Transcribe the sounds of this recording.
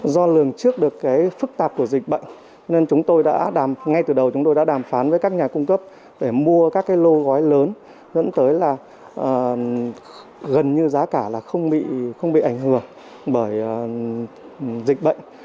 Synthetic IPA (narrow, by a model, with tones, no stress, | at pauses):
zɔ˧lɨ˨˩əŋt͡ɕɨ˦˥ək̚ɗɨ˨˩əkːaː˨˦jfɨ˦˥k̚t̪aː˨˩p̚ku˧˩zï˨˩k̟̚ɓə̰˧˨jŋ̟ | t͡ɕɔ˧ne˧nt͡ɕʊ˨˦ŋ͡mt̪o˧jɗa̰ː˧˥ɗaː˧˩mŋa˧jt̪ɨ˨˩ɗə˨˩wt͡ɕʊ˨˦ŋ͡mt̪o˧jɗa̰ː˧˥ɗaː˧˩mfaː˨˦nvəː˨˦kaː˦˥k̚ɲaː˨˩kʊ˧ŋ͡mkə˦˥p̚ | ɗe˧˩mu˧əkaː˦˥kːaː˨˦jlo˧ɣɔ˨˦jləː˨˦n | zə̰˧˥nt̪əː˨˦jlaː˨˩ | ʔəː˨˩ | ɣə˨˩nɲɨ˧zaː˨˦kaː˧˩laː˨˩xə˧wŋ͡mɓḭ˧˨xə˧wŋ͡mɓḭ˧˨ʔa˧˩jŋ̟hɨ˧˩əŋ | ɓəː˧˩j | zï˨˩k̟̚ɓə̰˧˨jŋ̟